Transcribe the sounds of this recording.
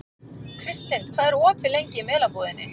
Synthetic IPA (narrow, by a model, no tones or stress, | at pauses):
kʰɾɪst̪hejnt̪kʰv̥aːðɛɾɔːpɪlejɲcɪimɛːlapɔðɪnːɪ̰